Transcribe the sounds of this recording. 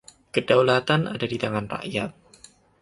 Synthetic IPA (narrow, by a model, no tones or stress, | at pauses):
kədawlat̪ana̰dadit̪aŋanra̰ʔjat̪̚